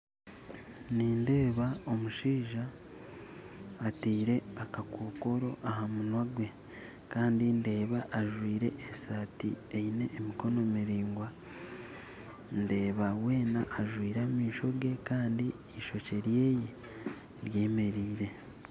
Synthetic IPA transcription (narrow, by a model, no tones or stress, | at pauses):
niːnde̞ːβao̞muʃiːʒa | tiːɾe̞akakwoːko̞ɾo̞ʔaɦamunwaɡwe̞ | kaːndinde̞ːβaʔːʒwiːɾe̞̰esatḭejine̞ːmiko̞no̞miɾiːŋɡwa | nde̞ːβawe̞ːnaʔːʒwiːɾamiːʃo̞ɡe̞kaːndiː | ʃo̞ce̞ɾje̞ːje | ɾje̞ːme̞ɾiːɾe̞